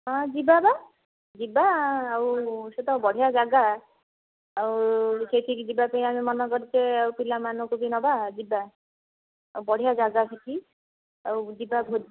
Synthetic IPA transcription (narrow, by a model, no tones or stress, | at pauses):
ɔ̃d͡ʒibaba | d͡ʒibaːwset̪ɔbɔɽ̤ijad͡ʒaɡa | awseʈʰikd͡ʒibapejamimɔnɔkɔɾit͡ʃeawpilamanukubinɔbad͡ʒiba | abɔɽ̤ijad͡ʒaɡasʰeʈʰi | awd͡ʒibabʱod